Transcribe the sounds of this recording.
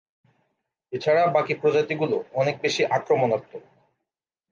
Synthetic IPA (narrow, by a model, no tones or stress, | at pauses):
et͡ɕʰaɾabakipɾod͡ʑat̪iɡuloɔnek̚beʃiʔakɾomonɔt̪ːo